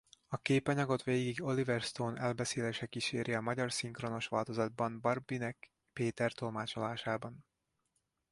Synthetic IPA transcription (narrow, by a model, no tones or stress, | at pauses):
ɒkeːpɒɲɒɡo̞t̪ʋeːɡiɡo̞livɛrst̪oːnɛlbɛseːleːʃɛkiʃeːɾʔiɒmɒɟɒrsiŋkro̞no̞ʃʋaːlt̪o̞zɒd̪̚bɒmbɒrbinɛk | peːt̪ɛrt̪o̞lmaːt͡ʃo̞laːʃaːbɒn